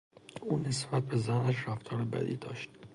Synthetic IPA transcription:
ʔuːne̞sb̥æt̪̚be̞zænæʃræft̪ʰɒːɾebæ̰d̪ḭːd̪ɒ̰ːʃt̪̚

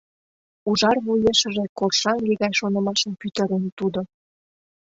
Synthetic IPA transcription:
uʒɑrβujeʃə̆ʒekorʃɑŋɡeɣɑjʃonɤ̆mɑʃə̆mpyt̪ə̆ɾent̪ud̪o

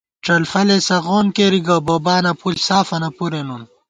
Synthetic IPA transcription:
ʈ͡ʂɐlfɐlesɐɣoːnkeɾiɡɐboːbaːnɐpulsaːfɐnɐpuɾenun

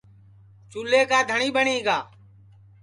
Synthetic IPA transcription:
t͡ʃuːleːkaːd̪ʱəɳiːɓəɳiːɡaː

